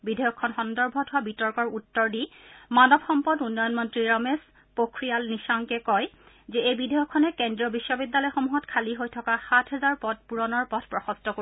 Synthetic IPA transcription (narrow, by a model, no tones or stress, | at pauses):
bidʱɔjɔkʰːɔnxɔndɔɹbʱɔtʊwabitɔɹkɔɹutːɔɹdimanɔbxɔmpɔdunːɔjɔnmɔntɹiɹɔmes | pokʰɹijalnisaŋkɛkɔj | zɛejbidʱɔjɔkʰːɔnɛkendɹiɔbiʃːɔbidːalɔjxomuɦɔtkʰaliɦojtʰɔkaxatʰɦɛzaɹpɔt̚puɹɔnɔɹpɔtʰpɹɔxɔstɔko